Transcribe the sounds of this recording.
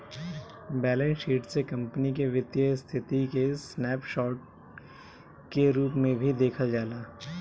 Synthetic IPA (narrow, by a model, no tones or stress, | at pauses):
bɛːlẽnʃiːʈsekɐ̃mpənikeʋɪt̪jəst̪ʰɪt̪ikesnɛːpʃɔːʈ̚ | keɾuːpmẽbʱid̪eːkʰəld͡ʒaːlaː